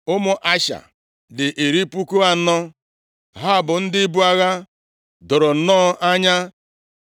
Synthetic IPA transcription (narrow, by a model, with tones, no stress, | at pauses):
ʊ˦mʊ˦ʔa˦ʃa̰˨ | dɪ˨ʔe˨ɾi˦pu˦ku˦a˨˦nɔ˦ | ɦa˦˨bʊ˨n̩˦dɪ˦bu˦a˦ɣa˦ | dʊ˨ɾʊ˨n̩˨nɔː˦ʔa˦ɲa˦